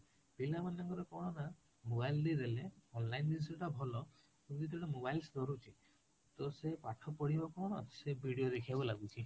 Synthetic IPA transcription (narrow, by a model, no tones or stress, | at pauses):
bilamanɔɡɔɾɔkɔɽɔna | mobajld̪iɾeleɔnlajndinsɔʈabʱɔlɔ | kud͡ʒit̪ʈamobajlsd̪ɔɾut͡ʃʰi | t̪ɔsepaʈʰɔpɔɽibɔkɔɔnɔtsebʱiɽijoɾekʰiabɔlaɡut͡ʃʰi